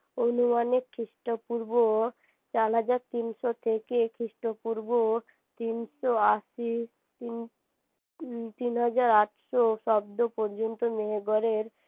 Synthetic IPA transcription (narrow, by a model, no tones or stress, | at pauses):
onumanekʰɾiʃʈopuɾbo | t͡ɕaɾɦad͡ʑaɾt̪inʃot̪ʰekekʰɾiʃʈopuɾbo | t̪inʃoaʃis | t̪in | t̪inɦad͡ʑaɾaʈʃoʃɔbd̪opɔɾd͡ʑont̪omeɦeɡɔɾeɾ